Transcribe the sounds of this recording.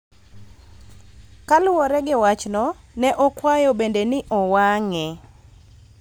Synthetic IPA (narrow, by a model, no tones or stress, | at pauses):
kalʊɔɾɛɡɪwat͡ʃnɔ | nɛʔɔkwajɔbendenɪʔɔwaŋɛ